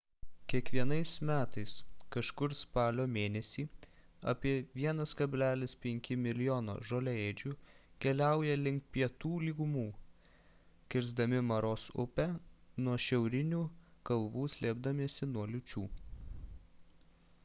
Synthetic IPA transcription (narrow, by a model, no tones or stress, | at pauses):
kʲiɛkʋʲiɛnɐɪsmʲæːt̪ɐɪskɐʃkʊɾspɑːlʲoːmʲeːnʲɛsʲiː | ɐ̰pʲiɛʋʲiɛnɐskɐbʲlʲæːlʲɪspʲɛŋʲkʲɪmʲɪlʲɪjoːno̰ːʒoːlʲɛeːd͡ʒʲuːkʲɛlʲæˑʊjɛlʲɪŋkt̪̚pʲiɛt̪uːlʲiːɡʊmuː | kʲɪɾzd̪ɐmʲɪmɐɾoːsʊ̰pʲænuɔʃʲɛʊɾʲɪnʲuːkɐlˠʋuːsʲlʲeːbd̪ɐmʲiɛsʲɪnuɔlʲʊt͡ʃʲuː